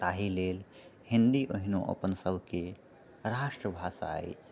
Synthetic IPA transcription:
t̪aɦilelhind̪iʔoɦinoʔə̰pənsəbʱke | ɾasʈɾəbʱasa̰ə̰jt͡ʃʰ

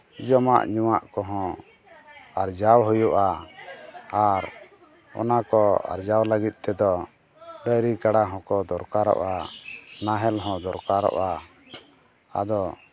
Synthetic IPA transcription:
d͡ʒɔma̰ʔɲuwaʔkɔɦɔ̃ | aɾd͡ʒawɦujuʔaː | ɾ | ɔ̰nakɔa̰ɾd͡ʒawləɡit̪̚ˀt̪ɛd̪ɔ | ɖəjɾikaɽaɦɔ̃kɔd̪ɔɾkaɾɔ̰ʔanaɦɛlɦɔ̃d̪ɔɾkaɾɔ̰ʔa | a̰d̪ɔ

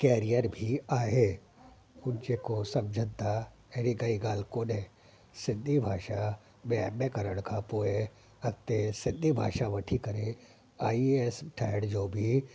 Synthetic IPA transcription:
kɛːɾijəɾbʱiaːɦe | ʊnt͡ʃekosɐmd͡ʒʱət̪a | eɾiɡɐiɡaːlkoːnẽ | sɪ̃nd̪ʱibʱaːʃa | meɛẽkɐɾəɽ̃kapoːe | ɐt̪esɪ̃nd̪ʱibʱa̰ːʃaʋɐʈʰikɐɾe | aːiesʈʰɛːɽd͡ʒoːbʱi

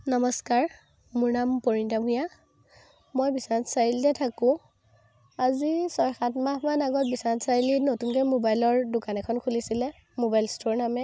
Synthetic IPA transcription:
nɔmɔskaɹ | mʊɹnampoɹintamɦuja | mojbisatsailtɛtʰakʊ̃ | azisɔjxatmahmanaɡɔt̚bisatsajilinotunkɔmobajlɔɹdʊkanɛkʰɔnkʰulisilɛ | mobajlstoɹnamɛ

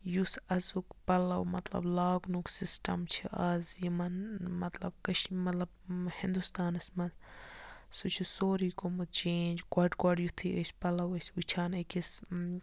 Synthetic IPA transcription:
jusɐzukpɐlɐwmɐt̪lɐ̰blaːɡnuksisʈɐ̰mt͡ʃʰiʔɐzjimɐnmɐt̪lɐ̰b̚kɐʃmɐt̪lɐb̚hind̪ust̪aːnɐsmɐz | sut͡ʃʰusoːɾiːkomɨt͡ʃeːnd͡ʒɡɔɖɡɔɖjut̪ʰiɐsʲpɐlɐwɐsʲut͡ʃʰaːnɐkʲis

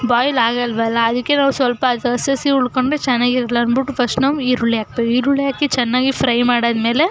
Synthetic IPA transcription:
baːjlaːɡɐlʋɐlːɐːd̪ɐkːe̞naːʋusʋɐlpɐd̪ɐsɐsiuɭkoɳɖɾet͡ʃɛnːaːɡiɾɐlɐɐnbiʈːupʰɐsʈnɐmiːɾuɭːjaːk̚beːiːɾuɭjaːkːit͡ʃɛnːaːɡipʰɾɐjmaːɽɐːd̪me̞ːle

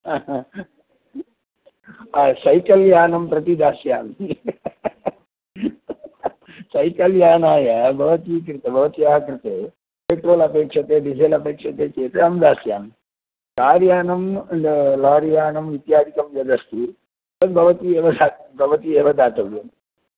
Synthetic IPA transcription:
aː | aːsɐjkɐljaːnɐmpɾɐt̪id̪aːsjaːmi | sɐjkɐljaːnaːjɐbʱɐʋɐt̪iːkɾɨt̪ɐbʱɐʋɐt̪iaːɦɐkɾit̪eː | peːʈɾoːlɐpeːkʂɐt̪eːɖiseːlɐpeːkʂɐt̪eːt͡ʃeːt̪eɐmd̪aːsjaːm | kaːɾjaːnɐm | laːɾijaːnɐmʋit̪jaːd̪ʱikɐmjɐd̪ɐst̪ʰi | sɐd̪bʱɐʋɐt̪ieːʋɐd̪ʱaːbʱɐʋɐt̪ieːʋɐd̪ʱaːt̪ɐʋjɐm

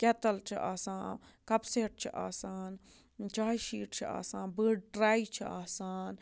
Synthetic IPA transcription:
ket̪ɐlt͡ʃʰḭʔa̰ːsãːkɐpseːʈ̚t͡ʃʰḭʔa̰ːsaːn | t͡ʃaːjʃiːʈt͡ʃʰia̰ːsãːnbəːɖɖɾaːit͡ʃʰiaːsaːn

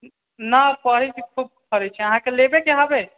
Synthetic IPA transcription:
napɔɾit͡ʃʰikʰub̚kʰəɾɛt͡ʃʰiəɦãkelebekeɦabe

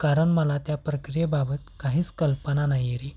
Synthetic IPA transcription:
kaɾəɳməlat̪japɾəkɾijebabət̪kaɦiːt͡skəlpənanaɦjɾe

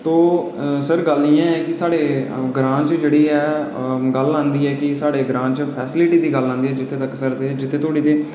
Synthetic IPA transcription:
t̪oː | səɾɡəlːijãːɛːkɪsaːɽeːɡɾãːt͡ʃd͡ʒeːɽiːɛːɡəlãːnd̪iːɛːkɪsaːɽeːɡɾãːt͡ʃpʰɛːsɪlɪʈiːd̪iːɡəlːãːnd̪iːɛːd͡ʒɪt̪ʰːeːt̪əkːsəɾt̪eːd͡ʒɪt̪ʰːeːt̪ʰoːɽiːt̪eː

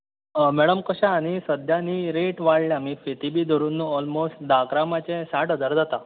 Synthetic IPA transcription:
mɛɽəmkəɕãːɽ̃isəd̪ʱjaniɾeʈʋaɽljaam̤ifet̪ibiːd̪ʱəɾunːuɔlmosʈd̪akɾamat͡ɕẽsaʈəd͡zəɾd͡zat̪a

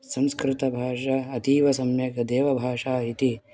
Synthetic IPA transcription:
sɐ̃mskɾɪt̪ɐbʱaːʂɐɐt̪iːʋɐsɐmjɐkɐd̪eːʋɐbʱaːʂaːit̪i

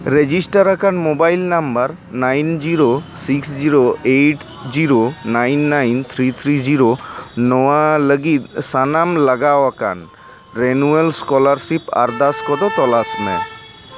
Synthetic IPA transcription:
ɾed͡ʒisʈaɾakanmobajlnambəɾ | najnd͡ʒiɾosiksd͡ʒiɾoeʈ | d͡ʒiɾonajnːajnt̪ʰɾit̪ʰɾid͡ʒiɾonɔwaləɡit̪sanamlaɡawaka̰n | ɾenuelskɔlaɾsipa̰ɾd̪askɔd̪ɔt̪ɔlasmɛ̰

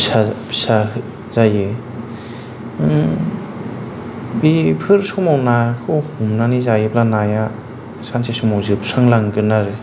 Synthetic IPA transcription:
sasa | zajɯ | bipʰɯɾsumawnakʰɯwhumnanizajɯplanaja | sansʰesumawzɯpʰsaŋlaŋɡɯnaɾɯ

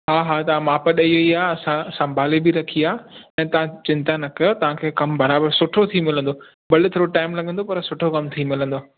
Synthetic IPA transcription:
ɦaːɦaːt̪ɐʋ̤ãmaːpəɗɐiʋeiaːɐsãɐsɐ̃bʱaːlebɪɾɐkʰiaːɛ̃ːt̪ɐʋãt͡ɕɪ̃nt̪anɐkɐjot̪ɐʋ̤ãkʰeːkɐmbɐɾaːbəɾsʊʈʰot̪ʰimɪlə̃nd̪o | bɐlɪt̪ʰoːɾoʈaːɪmlɐɡʱə̃nd̪opɐɾsʊʈʰokɐmt̪ʰimɪlə̃nd̪oː

